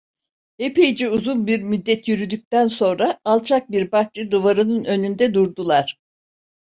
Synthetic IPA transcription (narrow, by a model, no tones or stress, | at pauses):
epejid͡ʒiuzunˠbiɾmyd̪ːɛt̪ʰjyɾyd̪yc̚ʲt̪ænso̞nɾaːlˠt͡ʃʰak̚biɾbaht͡ʃɯd̪uvaɾɯnɯnø̞nynd̪ɛd̪uɾd̪ulˠaɾ̥